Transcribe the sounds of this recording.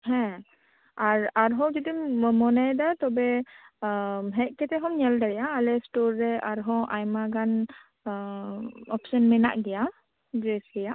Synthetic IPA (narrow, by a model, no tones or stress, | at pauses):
ɦɛ̃ | aɹaɾɦɔ̃wd͡ʒɔd̪imɔnajd̪at̪ɔbɛ | ɦɛʔ̚ˀkɛt̪ɛɦɔmɲɛldaɽɛjaalɛstɔɹːɛaɾɦɔʔajmaɡan | ɔpsɔnmɛna̰ʔɡɛja | ɡɹesɡɛjaʔ